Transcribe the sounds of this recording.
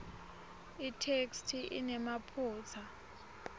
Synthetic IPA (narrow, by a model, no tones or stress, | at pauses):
itʰekstʰiʔḭnɛmapʰuːt͡sʰa